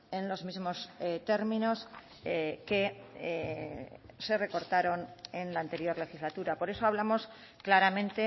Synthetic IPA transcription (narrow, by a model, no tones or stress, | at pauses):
e̞nlo̞zmizmo̞st̪e̞ɾmĩno̞s | ke̞ | se̞re̞ko̞ɾt̪aɾo̞nenlaːnt̪e̞ɾjo̞ɾle̞xizlat̪uɾapo̞ɾe̞soaβ̞lamo̞s | klaɾamẽ̞nt̪e̞